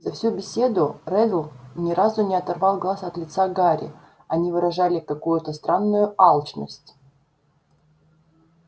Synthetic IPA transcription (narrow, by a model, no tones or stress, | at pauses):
zɐfsʲubʲɪsʲe̞d̪ʊrɛd̪lˠnʲɪɾazʊnʲɪɐt̪ɐrvɑlˠɡlˠasɐt̪lʲɪt̪saɡaɾʲɪ̰ | ɐnʲivɨɾɐʐalʲɪkɐkujʊt̪əst̪ɾʔanːʊjʊalˠt͡ɕnəsʲtʲ